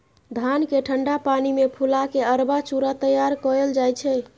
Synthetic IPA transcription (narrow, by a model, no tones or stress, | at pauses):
d̪ʱankeʈʰəɳɖapanimepʰulakeəɾbat͡ʃuɾat̪əjaɾkɔɾeld͡ʒajt͡ʃʰɛ